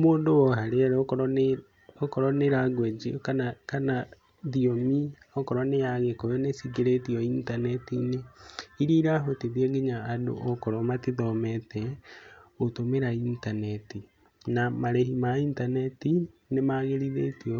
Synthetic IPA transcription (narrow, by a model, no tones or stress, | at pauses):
moːndowɔɦaɾeɛɾɔkɔɾɔ | okɔɾɔneɾaɡwɛd͡ʒiɔkanakana | ðiomi | ɔkɔɾɔnejaɣekoɾɛnesiɡeɾetiɔintanɛtineiɾiɾaɦoteðiɛɡeɲaːdo̰ʔɔkɔɾɔmatiðɔmɛtɛ | otomeɾaintanɛti | namaɾɛhimaintanɛtinemaɣeɾiðetiɔ